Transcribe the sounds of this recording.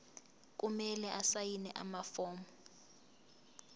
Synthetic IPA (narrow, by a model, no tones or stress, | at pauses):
k̬ʼumɛlɛʔasajinɛʔa̰mafɔːmɔ